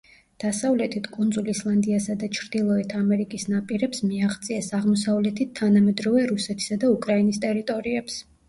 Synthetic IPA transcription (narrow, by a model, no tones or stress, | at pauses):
d̪̥asavlɛt̪ʰit̪ʰkʼund̪zulislˠand̪iasad̪at͡ʃʰɾd̪ilˠɔɛt̪ʰamɛɾikʼisnapʼiɾɛpsmiaʁt̪sʼiasaʁmɔsavlɛt̪ʰit̪ʰːanamɛd̪ɾɔvɛɾusɛt̪ʰi̥sad̪aukʼɾainist̪ʼɛɾit̪ʼɔɾiɛps